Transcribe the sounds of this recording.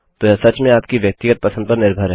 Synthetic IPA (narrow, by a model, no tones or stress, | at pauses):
t̪oɛsɐt͡ʃmẽaːp̚kiʋjɐk̚t̪ɪɡət̪̚pɐsə̃nd̪̚pɐɾnɪɾbʱəɾɦ